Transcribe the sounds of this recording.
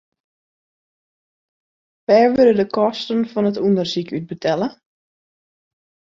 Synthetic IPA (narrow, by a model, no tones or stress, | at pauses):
ʋɛːɹʋølədəkɔstənfɔnətundərsikʰyt̚bətʰɛlə